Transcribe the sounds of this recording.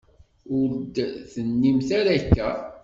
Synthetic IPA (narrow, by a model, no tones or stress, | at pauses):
ʊɾd̪θənːimθaɾækːæ